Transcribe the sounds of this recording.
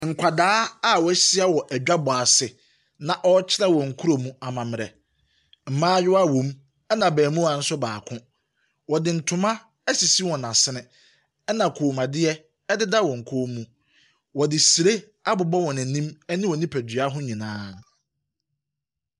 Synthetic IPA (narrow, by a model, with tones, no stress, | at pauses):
ŋ̩˨kʷʰa˨daː˦a˦˨wɔ˨˦ɛ˦ɕɪ˦a˦wɔ˨ʔæ˨d͡ʑᶣa˦bɔ˨a˨sɪ˨ | nã˨ʔɔ˦t͡ɕʰɪ˦nã˦wɔ˨ŋ̩˨kʰu˦ɾo˨mũ˦a˨mã˨mɪ̃˨ɾɛ̰˨ | m̩˨mãː˦ɥʊ˦a˦wõ˨m | ɛ˦nã˨bɛː˨mũ˦a˨n̩˦sʊ˦baː˨kʰʊ̃˦ | wɔ˨dɪ˨n̩˨tʰʊ˨mã˦ | æ˦si˨si˦wɔ̃˨nã˨sɪ˦nɪ̃˨ | ɛ˦nã˨kʰoː˨mã˨dɪ˦ɛ˦ | ɛ˦dɪ˦da˦wɔ̃˨ŋ̩˨kʰo˦mːũ˨ | wɔ˨dɪ˨si˨ɾe˦ | a˦bʊ˨bɔ˦wɔ̃˨næ̃˨nĩ˦mɛ˦nɪ̃˦wɔ˨nĩ˦pʰæ˨dɥa˦ɦʊ̃˦ɲĩ˨nãː˦